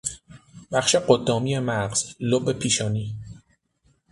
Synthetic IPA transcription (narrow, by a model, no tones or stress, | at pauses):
b̥æχʃeɢod̪ːɒːmiːemæʁɢz̥lobepʰiːʃɒːniː